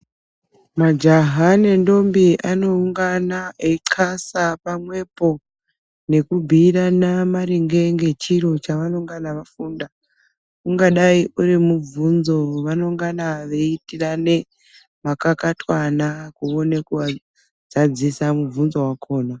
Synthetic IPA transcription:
mad͡ʒaɦane̞ndo̞mbiʔano̞uŋɡanaeǀʰasapamwe̞po̞ | ne̞kubʱiranamaɾiŋɡe̞ŋɡe̞t͡ʃiɾo̞t͡ʃaʋanoŋɡanaʋafuːnda | uŋɡaɗaiʔuɾimuvunzo̞ʋano̞ŋɡanaʋe̞itirane̞ | makakatwanakuonekuʋa | zad͡zisamuvunzo̞wakʰo̞ːna

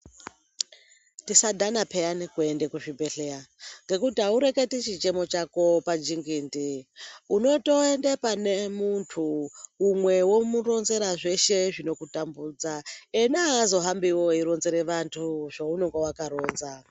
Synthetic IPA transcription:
tisadʱanapʰeanikuendekuʐibe̞ɬeaŋɡe̞kutiauɾe̞ke̞tit͡ʃit͡ʃe̞mo̞t͡ʃako̞pad͡ʒiŋɡiːndiuno̞to̞endepanemuntʰuːmwe̞womuro̞nze̞ɾaʐe̞ʃe̞ʐino̞kutambuːd͡zaenaːzo̞ɦambiwo̞iɾo̞nzeɾeʋantʰuʐaunoŋɡowakaɾoːnza

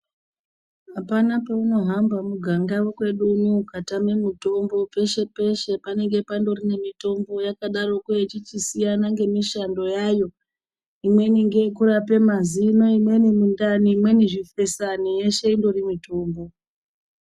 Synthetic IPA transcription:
apanape̞uno̞ɦambamuɡʱaŋɡawokwe̞ɗunukatame̞mito̞mbo̞pe̞ʃe̞pe̞ʃe̞pane̞ŋɡe̞pando̞rine̞mito̞mbo̞jakaɗaro̞kujet͡ʃit͡ʃisijanaŋɡe̞miʃando̞jajo̞ | imwe̞niŋɡe̞kurape̞mazino̞imwe̞nimundaniːmwe̞niʐife̞sanije̞ʃe̞indo̞rimito̞ːmbo̞

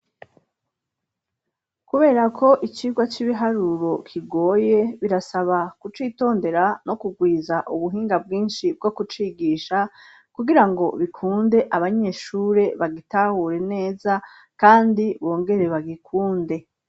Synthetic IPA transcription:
kuβe̞ːɾakʰo̞ʔit͡ʃiːɡwat͡ʃiβiɦaɾuɾo̞kʰiɡo̞ːje̞βiɾasaβakut͡ʃiːto̞ːnde̞ɾano̞kuɡwiːzaʔuβuɦiːŋɡab̚ɡiːnʃib̚ɡo̞kut͡ʃiːɡiːʃa | kuɡiɾaŋɡo̞βikʰuːnde̞ʔaβaɲe̞ːʃuːɾe̞βaɡitahuːɾe̞ne̞ːza | kaːndiβo̞ːŋɡe̞ɾe̞βaɡikʰuːnde̞

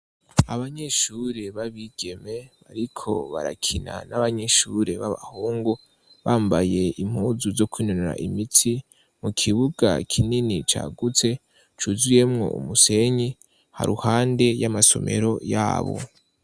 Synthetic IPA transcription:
aβaɲeʃuɾe̞βaβiɡ̥e̞me̞βaɾikʰo̞̰βaɾa̰kʰina̰naβaɲeʃuɾe̞βaβa̰huːŋɡu | βaːmbaje̞ʔim̥huːzuzo̞kwiːnoneɾa̰ʔimitʰi | mukʰiβuɡakʰininit͡ʃa̰ːɡut͡se̞ | t͡ʃuzije̞mŋo̞̰ʔṵmuse̞ɲi | ha̰ɾuhaːnde̞jamaso̞̰me̞̰ɾo̞ja̰ːβo̞̰

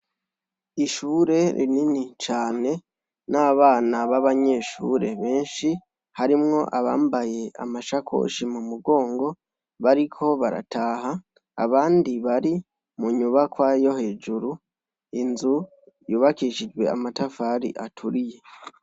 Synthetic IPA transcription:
iʃuːɾe̞ɾʔḭninit͡ʃaːne̞ | naβaːnaβaβaɲe̞ːʃṵːɾe̞βe̞ːnʃi | haɾimŋo̞ʔaβaːmbaje̞a̰maʃakʰo̰ːʃimumuɡo̞ːŋɡo̞ | βaɾikʰo̞βaɾa̰tʰaːha̰ː | βaːndiβaɾi | muɲuβakwajo̞he̞ːd͡ʒuɾu | inzu | juːβakiʃid͡ʒɡwe̞a̰matafaɾḭʔatʰuɾije̞

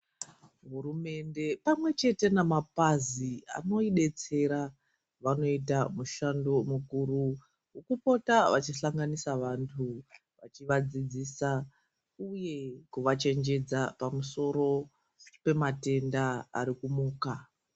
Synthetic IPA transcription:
ɦurume̞nde̞pamwe̞t͡ʃe̞te̞namapazia̰no̞iɗe̞t͡se̞ɾa | ʋano̞itamuʃando̞mukuɾu | ukupo̞taʋat͡ʃiɬaŋɡanisaʋantʰu | ʋat͡ʃiʋad͡zid͡zisa | uje̞kuʋat͡ʃe̞nd͡ʒe̞d͡zapamuso̞ɾo̞ | pe̞mate̞ndaa̰ɾikumuːka

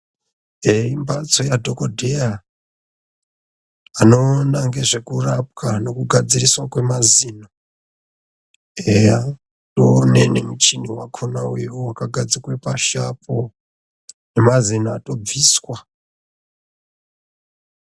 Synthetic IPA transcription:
eimbat͡so̞jadʱo̞kodʱeja | ano̞naŋɡe̞ʐe̞kurap̚kano̞kuɡʱad͡ziriswakwe̞mazina | eja | tone̞ne̞mut͡ʃiniwakʰonaweuwakaɡʱad͡zikwe̞paʃapʰo | ne̞mazinaːto̞b͡viːswa

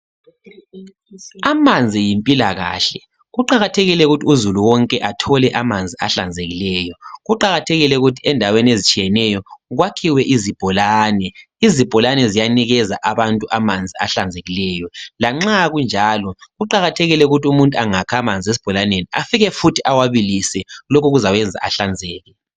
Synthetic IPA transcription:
amand͡zʱijimpʼilaɣa̰ːɬɛ | ɣuǃaɣatʰeɣilɛɣutʰiuzuluwɔŋkʼɛʔatʰɔlɛʔamand͡zʱiaɬa̰nd͡zʱeɣilɛːjɔɣuǃaɣatʰɛɣilɛuɣutʰi̥ɛndʱaweniezit͡ʃʼijɛnɛjɔɣwakʰiwɛʔizib̥ʱɔlaːnɛ | izib̥ʱɔlanɛzijaniɣɛzaʔaβantʼuʔamand͡zʱia̰ɬand͡zʱeɣilɛjɔlaŋ͡ǁaɣund͡ʒʱalɔɣuǃaɣatʰeɣilɛuɣutʰiumuntʼuaŋakʰamand͡zʱies̬i̥b̥ʱɔlanenia̰fiɣɛfutʰiʔawaβilisɛlokʰuɣuzawɛnd͡zʱa̰ʔaɬand͡zʱɛːɣɛ

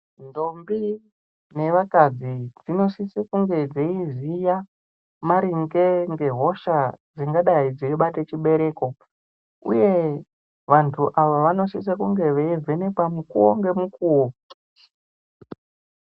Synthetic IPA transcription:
ndo̞mbi | ne̞ʋakad͡zid͡zino̞sisekuŋɡe̞d͡zeizija | maɾiŋɡe̞ŋɡe̞ɦo̞ʃad͡ziŋɡaɗaid͡ziiɓatet͡ʃiɓe̞ɾe̞ːko̞ | ṵje̞ | ʋantʰuʔaʋaʋano̞sis̬akuŋɡe̞ʋeive̞ne̞kwamukuwoŋɡe̞mukuwo

